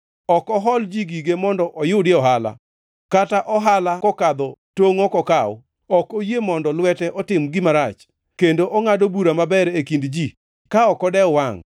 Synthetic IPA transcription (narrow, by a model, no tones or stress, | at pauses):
ɔkɔɦɔld͡ʒiɡiɡemɔndɔʔɔjʊdjeɔɦala̰ | kataʔɔɦalakɔkad̪ɔtoŋɔkɔkaɔ̰ | ɔkojemɔndɔlwɛtɛʔɔtɪmɡɪmaɾat͡ʃ | kendoʔɔŋadobuɾamabɛɾekindd͡ʒi | kaɔkɔdɛwaŋ